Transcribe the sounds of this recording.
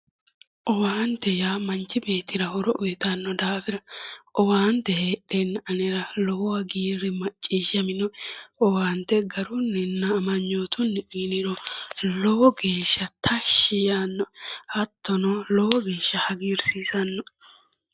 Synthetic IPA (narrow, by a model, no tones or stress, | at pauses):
ʔɔwaːnd̪ɛjaːmɐnt͡ʃːɪbe̞ːt̪ɪɾɐhɔɾɔʔʊjt̪ɐnːɔd̪aːfɪɾɐʔɔwaːnt̪ɛheːɗɛnːɐnɛɾɐlɔwwɐɡiːɾɪmɐt͡ʃʼːiːʃɐmɪnɔʔɔwaːnt̪ɛɡɐɾʊnːɛnːɐːmɐɲːoːt̪ʰʊnːɪnɪɾɔlɔwɔɡe̞ːʃːɐt̪ʰɐʃːɪjanːɔhɐt̪ːɔnɔlɔwɔɡeːʃːɐhɐɡiːɾsiːzɐnːɔ